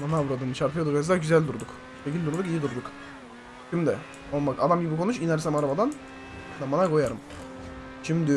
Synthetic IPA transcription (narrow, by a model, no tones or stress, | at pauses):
manavuɾad̪ɯmt͡ʃʰaɾfʰɯjad̪ukazd̪aɾɟyzælʲd̪uɾd̪uk | ʃecʰʲilʲd̪uɾd̪ukijid̪uɾd̪uk | ʃimd̪ɛ | omakad̪amɟibikʰo̞nut͡ʃinɛɾsɛmaɾabad̪an | d̪amanako̞jaɾɯm | ʃimd̪ɪ